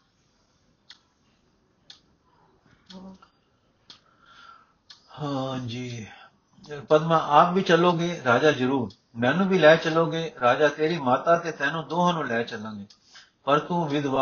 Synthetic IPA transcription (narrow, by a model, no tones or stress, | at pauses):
hãːd͡ʒiː | pəd̪mãːʔaːp̚ʋiːt͡ʃəloːɡeːɾaːd͡ʒaːzəɾuːɾ | mɛ̃ːnũːbʱiːlɛːt͡ʃəloːɡeːɾaːd͡ʒaːt̪eːɾiːmaːt̪aːt̪eːt̪ɛ̃ːnũːd̪oːɦãːnũːlɛːt͡ʃəlãːɡeː | pəɾk̪ũːʋɪd̪ʋaː